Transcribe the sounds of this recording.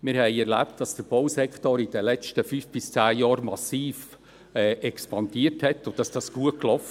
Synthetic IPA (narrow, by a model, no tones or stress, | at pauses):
mɪɾhɛɪɛɾlæ̰ptd̥ɑsd̥əɾb̥owsɛkχtɔɾid̥əlɛt͡ʃtəfyːfb̥ɪst͡sæːjɑːɾmɑsiːf | ɛʔɛkspɑndiəthɛtːʊ̥ɑsd̥ɑsɡ̥uəklɔf